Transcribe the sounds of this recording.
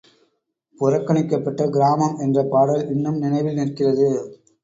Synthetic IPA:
pʊɾɐkːɐɳɪkːɐpːɐʈːɐɡɪɾaːmɐmɛndrɐpaːɽɐlɪɳːɐmnɪnɐɪʋɪlnɪrkɪrɐðɯ

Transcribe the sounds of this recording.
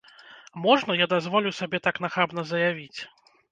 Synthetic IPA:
mɔʐnɐjad̪azvɔlʲusabʲɛt̪aknaxabnɐzɐjavʲit͡sʲ

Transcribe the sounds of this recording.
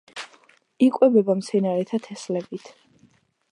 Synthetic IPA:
ikʼwɛbɛbamt̪sʰɛnaɾɛt̪ʰat̪ʰɛslɛbit̪ʰ

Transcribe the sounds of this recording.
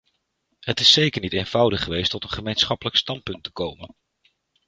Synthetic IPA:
ɦətɪsejkəɹnitejnv̥ʌwdəχəʋejstɔtənχəmejnsχɑpələkstɑnt̚pɵntə̥kowmən

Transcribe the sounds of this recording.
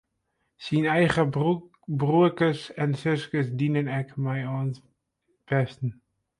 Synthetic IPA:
sinajχə | bruəkəsɛnsʏskəsdiːnənɛkmajɔns | b̥ɛstn̩

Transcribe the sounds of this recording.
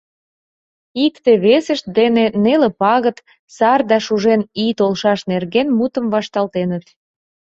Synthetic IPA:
ikt̪eβesəʃt̪̚d̪enenelepɑɣət̪ | sɑrd̪ɑʃuʒenit̪olʃɑʃnerɣenmut̪əmvɑʃt̪ɑlt̪enət̪

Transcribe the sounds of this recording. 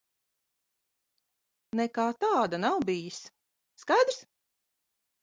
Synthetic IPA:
nɛkaːt̪ɑːd̪anawbijis | skajd̪ɾs

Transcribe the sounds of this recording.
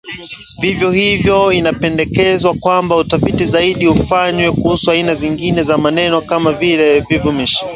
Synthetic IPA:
vivjɔhivjɔinapɛndɛkɛzwakwambautafitizaiɗiufaɲwɛkuhusuainaziŋɡinɛzamanɛnɔkamavilɛvivumiʃi̥

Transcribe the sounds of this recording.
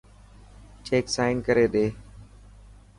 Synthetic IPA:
t͡ʃeːksaːɪnkəɾeːɗeː

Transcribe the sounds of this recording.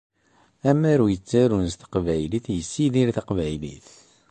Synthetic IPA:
æmæɾujət͡sːæɾunst̪ə̥qvæjliθjəsːiðiɾθəqvæjlḭθ

